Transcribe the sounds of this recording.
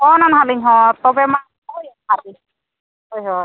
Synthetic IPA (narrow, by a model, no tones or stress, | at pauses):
ɔnanɦaliɲɦɔt̪ɔbɛma | ɔjhali | hojɦɔ